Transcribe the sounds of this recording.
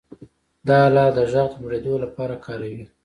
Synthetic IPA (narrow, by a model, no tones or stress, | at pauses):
d̪ɑlɑd̪əʒaɣd̪əmɾed̪olapɑɾakʰɑɾawi